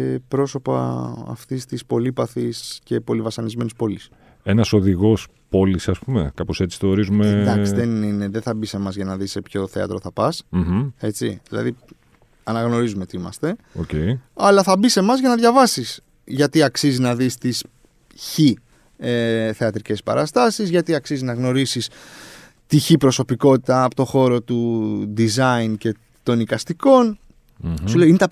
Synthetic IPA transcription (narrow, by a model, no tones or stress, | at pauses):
pɾo̞so̞pɐ̰ɐ̰ft̪ist̪ispo̞lipɐθisce̞po̞livɐsɐnizme̞nispo̞lis | e̞nɐso̞ðiɣo̞s | po̞lisɐspume̞̰kɐpose̞t͡si̥θoːɾizumend̪ɐksiðenine̞ðenθɐbise̞mɐzʝɐnɐðise̞pço̞θe̞ɐ̰t̪ɾo̞θɐpɐsm̩h̩e̞t͡sḭðilɐ̰ði | ɐnɐɣno̞ɾizumeot̪iimɐ̰st̪e̞oceiɐlɐθɐbise̞mɐzʝɐnɐðʝɐvɐsis | ʝɐt̪iɐksiziznɐðist̪is | çi | eθe̞ɐt̪ɾice̞spɐ̰ɾɐst̪ɐsizʝɐt̪iɐksiziznɐɣno̞ɾisis | t̪içipɾo̞so̞piko̞t̪it̪ɐːpot̪o̞xo̞ɾo̞t̪ud̪izɐince̞ | t̪o̞nikɐst̪iko̞n | suleinet̪ɐ